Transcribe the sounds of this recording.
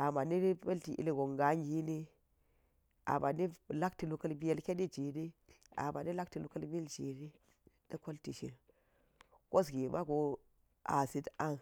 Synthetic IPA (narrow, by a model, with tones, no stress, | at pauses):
a˨ma˨ni˦ɾpe˦lti˨ʔḭ˨˦li˦ɡo˨ŋɡa˨˦ŋɡi˦ni˦ | a̰˨ma˨ni˦la˦kti˨lu˨kə˦lbi˦je˦lke˦di˦d͡ʒi˨di˦ | a̰˨ba˨ni˦la˦k̚ti˨lu˨kə˦lbi˦e˦ld͡ʒi˨ɾi˦ | di˦ko˦lti˨ʃḭ˨l | ko˦sɡi˨ma˦ɡo˨ | a̰˨si˦ta˦n